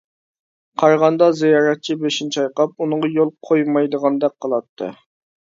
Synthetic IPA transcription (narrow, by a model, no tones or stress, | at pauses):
qʰɑɾʁɑnd̪ɑzijɑːɾɛt̪̚t͡ʃʰibeʃint͡ʃɑjqɑp̚unɨŋʁɑjolˠqʰojmɑjd̪əʁɑnd̪ɛk̚ʲqʰəlˠɑt̪ʰːɨ̰